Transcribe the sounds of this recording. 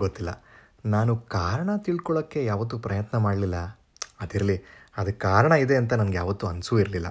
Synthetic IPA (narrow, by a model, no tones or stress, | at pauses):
ɡot̪ːilːɐ̰ | naːnukaːɾɐɳɐt̪iɭkɔɭɐkːe̞jaːʋɐt̪̬ːupɾɐjɐt̪nɐmaːɖlilːɐ | ɐd̪iɾɐliɐd̪ɐkːaːɾɐɳɐid̪e̞ɐnt̪̬ɐnɐmɡejaːʋɐt̪ːuɐnsuiɾlilːɐ̰